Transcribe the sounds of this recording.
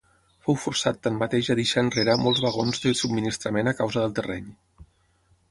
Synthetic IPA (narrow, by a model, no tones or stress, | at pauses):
fowfuɾsat̪ːammat̪eʒaðiʃaːnreɾamɔlˠzβəɣonzðəsubminist̪ɾəmenakawzəðəlˠt̪ərɛɲ